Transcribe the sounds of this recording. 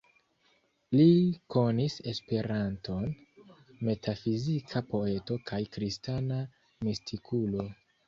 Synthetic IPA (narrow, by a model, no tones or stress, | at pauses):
liko̞nise̞spe̞ɾanto̞n | me̞tʰafizikʰapo̞e̞to̞kʰajkɾistana | mistʰikʰulo̞